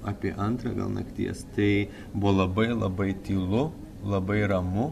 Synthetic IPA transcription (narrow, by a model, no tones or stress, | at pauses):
ɑːpʲiɛʔɐnt̪ɾɐ̰ɡɐ̰lˠnɐ̰kt̪ʲḭɛst̪ɐɪ | bʊolˠɐbɐɪlˠɐbɐɪt̪ʲiːlˠʊ | lˠɐbɐɪɾɐmʊ